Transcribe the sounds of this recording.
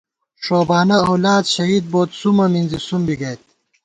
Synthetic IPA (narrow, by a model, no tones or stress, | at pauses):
ʂoːbaːnɐɐwlaːd̪ɕɐɦiːd̪̚boːt̪sumɐminzisumbiɡɐjt̪̚